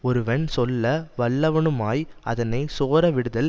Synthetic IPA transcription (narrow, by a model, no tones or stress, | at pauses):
ɔɾɯʋɐɳsɔlːɐʋɐɭːɐʋɐɳɯmaːjɐ̰ðɐnɐɪsoːɾɐʋɪɽɯðɐl